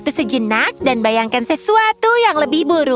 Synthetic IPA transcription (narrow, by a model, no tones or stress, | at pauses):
t̪usəd͡ʒənak̚danbajaŋkansəsuat̪ujaŋləbɪhbuɾu